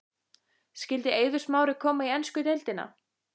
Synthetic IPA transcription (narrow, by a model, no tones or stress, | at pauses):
scɪlt̪ɪeːjvʏ̥smaːwɾɪkʰɔːmaiɛnskʏt̪ejlt̪ɪna̰